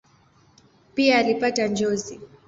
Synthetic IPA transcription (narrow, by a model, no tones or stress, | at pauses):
piaːlipatand͡ʒɔzi